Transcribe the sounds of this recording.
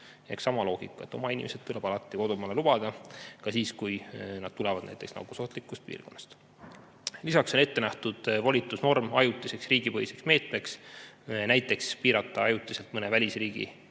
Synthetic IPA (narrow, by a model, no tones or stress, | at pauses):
eksɑmɑlo̞ːɡ̥ikːˑɑet̪ːˑo̞mɑinʲḭmesed̥̪t̪uleb̥ɑlɑt̪ːˑiko̞d̪umɑlelub̥ɑd̪̥ɑkɑsiːskujnɑd̪̥̚t̪ulevɑd̪̥næ̰jt̪eksnɑ̰kusoht̪likːˑust̪̚pḭːrɡ̥o̞nːɑ̥st̪ | lisɑkso̞ne̞t̪ːe̞næht̪ud̪̥volʲit̪ːˑusno̞rmɑjut̪ːˑise̞ksriːɡipɤhjise̞ksme̞ːt̪me̞ks | næjt̪ːˑe̞kspiːɾɑt̪ˑːɑɑjut̪ːˑise̞lt̪mɤne̞vælʲisriːɡ̥ḭ